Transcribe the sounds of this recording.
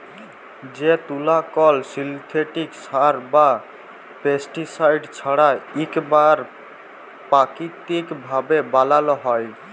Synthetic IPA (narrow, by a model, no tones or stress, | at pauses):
d͡ʒet̪ulakɔlsilt̪ʰeʈikt͡ʃʰaɾba | pesʈisajɖt͡ʃʰɔɽaikbaɾ | pakit̪ikbʱabebalalɔɦɔj